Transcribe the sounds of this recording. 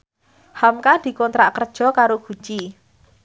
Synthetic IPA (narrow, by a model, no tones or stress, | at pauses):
hamkad̪̥i̤kɔnt̪ɾaʔkərd̥ʒ̥ɔ̤kaɾoɡ̥ṳ̥t͡ʃi